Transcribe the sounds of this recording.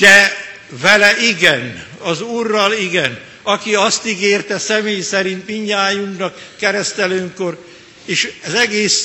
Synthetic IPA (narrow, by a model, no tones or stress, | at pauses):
d̪̥ɛ | vɛlɛʔiɡɛnɒzuːrːɒliɡɛn | ɒkiɒst̪iɡeːrt̪ɛsɛmeːjsɛɾint̪miɲːaːjuŋknɒkːɛɾɛst̪ɛløːŋko̞r | eːʃɛzɛɡeːs